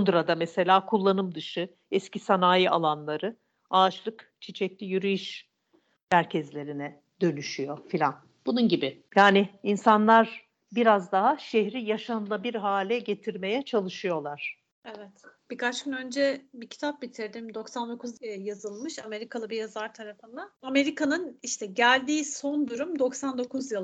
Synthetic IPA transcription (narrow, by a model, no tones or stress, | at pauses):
und̪ɾad̪amɛse̞lʲaːkʰulˠːanɯmd̪ɯʃɯ | ɛscisanaːjialˠanlˠaɾɯ | aːt͡ʃlˠɯkt͡ʃʰit͡ʃʰɛclʲijyɾyjiʃ | mæɾcʰɛzlʲe̞ɾinɛ | d̪ø̞nyʃyjo̞filʲan | b̥ununɟibɪjaːnɪinsanlˠaɾ | biɾazd̪aɦaʃeɦɾijaʃanɯlˠabiɾɦaːlʲɛɟe̞t̪ʰiɾme̞jɛt͡ʃʰalˠɯʃɯjo̞lˠaɾ̥ | evɛt̪b̥ikʰat͡ʃcynø̞nd͡ʒɛbicʰi̥t̪ʰap̚bit̪ʰiɾd̪imd̪o̞ksand̪o̞kʰuzijazɯlˠmɯʃame̞ɾikʰalˠɯbijazaɾt̪ʰaɾafɯnd̪aame̞ɾikanɯniʃt̪ʰɛɟælʲd̪iːso̞nd̪uɾumd̪o̞ksand̪o̞kuzjɯlˠ